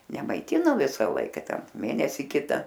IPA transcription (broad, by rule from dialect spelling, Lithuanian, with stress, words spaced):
nʲɛmɐɪˈtʲɪnoː ˈʋʲɪsɐ ˈlˠɐɪkɐ ˈtʲɛn ˈmʲeːnʲɛsʲɪ ˈkʲɪtɐ